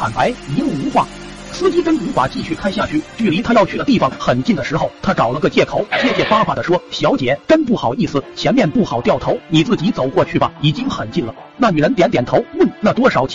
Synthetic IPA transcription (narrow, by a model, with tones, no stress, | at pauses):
xa˨˩npa˧˥ɪi˧˥lu˥˩u˧˥fa̰˨˩˦ | sɹ̩˥t͡ɕi˥kə˥nu˧˥fa̰˨˩t͡ɕi˥˧ɕy˥˧kʰa˥˧nɕja˥˧t͡ɕʰy˥˩t͡ɕy˥˩li˧˥t̪ʰa˥jɑ˥˧ʊt͡ɕʰy˥˩ə˩t̪i˥˩fɑ˨˩ŋxə˨˩nt͡ɕi˥˩ŋd̪ə˩ʂɻ̩˧˥xo˥˧ʊt̪ʰa˥ʈ͡ʂɑ˨˩ʊlə˧ɡə˧t͡ɕjɛ˥˩kʰo˧˩˦ʊt͡ɕjɛ˥˧t͡ɕjɛ˥˩fa˥fa˨˩d̪ə˦ʂwɔ˥ɕjɑ˧˥ʊt͡ɕjɛ˨˩˦ʈ͡ʂə˥npu˥˩xɑ˨˩ʊi˥˩sɹ̩˨˩t͡ɕʰjɛ˧˥nmjɛ˥˧npu˥˩xɑ˨˩ʊt̪jɑ˥˩ʊt̪ʰo˧˥ʊni˨˩t͡sɹ̩˥˩t͡ɕi˧˥t͡so˨˩ʊkwɔ˥˧t͡ɕʰy˥˩bɐ̰˩i˨˩t͡ɕi˥ŋxə˨˩nt͡ɕi˥˩nlə˩ | na˥˩ny˨˩ɻə˧˥nt̪jɛ˧˥nt̪jɛ˨˩nt̪ʰo˧˥ʊwə˥˩nna˥˩t̪̬wɔ˥ʂɑ˨˩˥ʊt͡ɕʰ